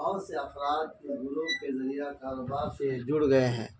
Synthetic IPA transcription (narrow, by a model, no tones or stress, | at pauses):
ɦɔseɐfɾaːd̪̚keɡʊlõmkezɐɾijakaːɾoːbaːɾsed͡ʒʊɽɡɐeɦɛ̰̃ː